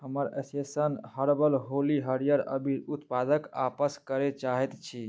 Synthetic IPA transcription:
həməɾesesənhəɾbəlɦoliɦəɾijəɾə̰bʱiut̪pad̪əkapəskəɾet͡ʃaɦɛt̪t͡ʃʰi

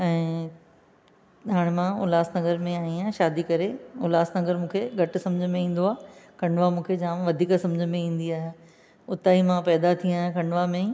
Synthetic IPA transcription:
ɛ̃ː | ɗaːɽ̃mãʊ̰laːsnɐɡəɾmẽaːĩãːʃaːd̪ikɐɾeʊlaːsnɐɡəɾmũːkʰeɡʱɐʈsɐ̃md͡ʑʱəmẽĩːn̆d̪oaːkʰɐ̃ɳɖʋamũːkʰed͡ʑãːmʋɐd̪ʱiːksɐ̃md͡ʑʱəmẽĩːn̆d̪iaːɦjaː | ʊt̪aːimãpɛːd̪at̪ʰĩaːɦjãkʰɐɳɖʋamẽ

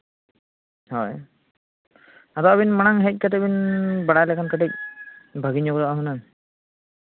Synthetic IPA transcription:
hɔj | at̪ɔʔabinmanaŋɦɛc̚kat̪ɛbinbaɽajlɛkʰankəʈic̚bʱəɡiɲɔɡɾɔʔaɦunan

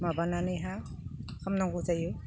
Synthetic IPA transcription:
mabananɯjɦa | kʰamnaŋɡuzaju

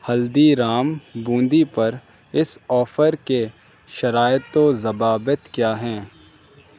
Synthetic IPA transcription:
hɐld̪iɾaːmbũːnd̪ipɐɾ | ɪsɔːfəɾke | ʃɐɾaːɪt̪ozɐbaːbət̪kjaːɦɛ̃ː

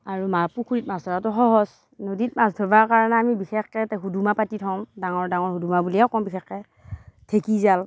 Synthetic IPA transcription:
aɹumapukʰuɹit̚masɔatɔxɔɦɔz | nodit̚masdʱɔbaɹkaɹɔnɛamibixɛxkɛtaɦudumapatitʰɔmdaŋɔɹdaŋɔɹɦudumabuliɛkɔmbixɛxkɛ | tʰekizal

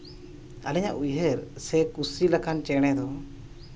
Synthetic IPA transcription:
alɛɲa̰ʔujɦɛɾsɛkusilakant͡ʃɛɽ̃ɛd̪ɔ

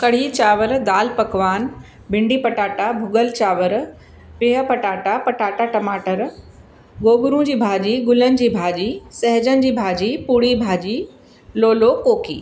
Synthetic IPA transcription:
kɐɽ̤it͡ɕaːʋəɾd̪aːlpɐkʋaːn | bʱɪ̃ɳɖipɐʈaːʈabʱʊɡəlt͡ɕaːʋəɾ | pɪːɦəpɐʈaːʈapɐʈaːʈaʈɐmaːʈəɾ | ɡoːbʊɾũd͡ʑiːbʱaːd͡ʑiɡʊlənɪ̆d͡ʑiːbʱaːd͡ʑisɐɦd͡ʑənɪ̆d͡ʑiːbʱaːd͡ʑipuɽibʱaːd͡ʑi | loːlokoːkiː

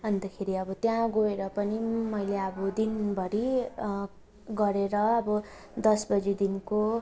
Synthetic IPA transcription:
ʌnd̪ʌkʰeɾiʌbʌt̪jãɡoeɾʌpʌnimʌjleʌbʌd̪inbʱʌɾi | ɡʌɾeɾʌːbʌ | d̪ʌsbʌd͡zid̪inko

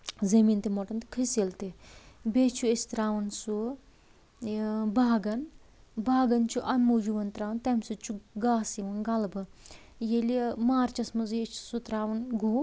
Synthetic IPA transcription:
zɐmiːnt̪imɔʈɐnt̪i̥kʰɨsilt̪ibeːt͡ʃʰuesʲt̪ɾaːʋɐnsu | baːɡɐn | baːɡɐnt͡ʃʰuʔɐnmːud͡ʒuʋɐnt̪ɾaːʋɐnt̪ɐmʲsut͡ʃʰuɡaːsiʋɐnɡɐlbɨ | jelemaːɾt͡ʃɐsmɐzet͡ʃʰsut̪ɾaːʋɐnɡuː

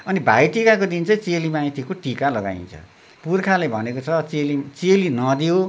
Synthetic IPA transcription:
ʌnibʱa̰jʈikakod̪int͡sʌĩt͡selimaĩt̪ʰikoʈikalʌɡa̰ḭ̃nt͡sʰʌ̰ | purkʰalebʱʌnekot͡sʰʌt͡selit͡selinʌd̪ijo

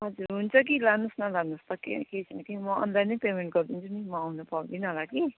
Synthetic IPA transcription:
ɦʌd͡zuɾɦunt͡sʰʌk̬ilanusnʌlanust̪ʌkḛket͡sʰʌnʌkimʌʌ̰nd̪anʌpemeɳʈ̚ɡʌɾd̪int͡sʰunimʌːwnupad̪inʌɦolaki

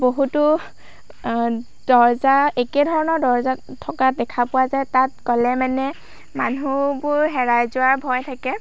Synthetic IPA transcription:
boɦutʊ | d̥ɔɹzaekɛdʱɔɹɔnɔɹdɔɹzatʰɔkadɛkʰapʊwazɛtat̚kɔlɛmanɛ | manubʊɹɦɛɹajzʊwaɹbʱɔjtʰakɛ

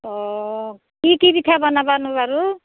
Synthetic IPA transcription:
ɔ | kikibit̪ʰabʌnabanubaɾu

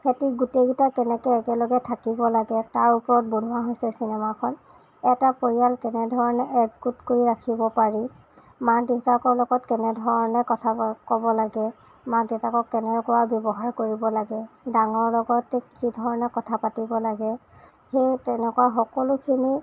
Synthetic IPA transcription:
kʰetiɡuteɡitakɛnɛkɛɛkɛlɔɡɛtʰakibɔlaɡɛtaɹupɔɹɔt̚bun̤uaɦojsɛsinɛmakʰɔn | ɛtapoɹijalkɛnɛdʱɔɹɔnɛʔɛɡkutkoɹiɹakʰibɔpaɹi | madetakɔɹlɔɡɔtkɛnɛdʱɔɹɔnɛkɔtʰakɔbɔlaɡɛ | madetakɔkːɛnɛkɔwabjɔbɔɦaɹkoɹibɔlaɡɛdaŋɔɹlɔɡɔtɛkidʱɔɹɔnɛkɔtʰapatibɔlaɡɛ | xejtɛnɛkɔwaxɔkɔlʊkʰini

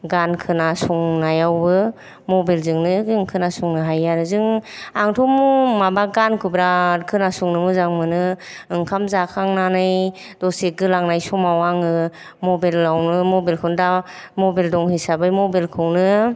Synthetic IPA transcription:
ɡankʰɯnasɔŋnajawbɯ | mɔbelzɯŋnɯɯŋkʰɯnasɔŋnɯɦajaɾɯzɯŋaŋtʰɔmumabaɡankʰɯbɾakʰɯnasɔŋnɯmɯzaŋmɯnɯ | ɯŋkʰamzakʰaŋnanɯj | d̥ɔseɡɯlaŋnajsɔmawaŋɯ | mɔbelːawnɯmɔbelkʰɯwndamɔbeldɔŋhisabɯjmɔbelkʰɯwnɯ

